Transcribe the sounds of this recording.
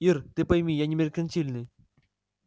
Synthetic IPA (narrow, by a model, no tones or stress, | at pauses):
irt̪ɨpɐjmʲijanʲɪmʲɪɾʲɪkʲɐnsʲilʲnɨj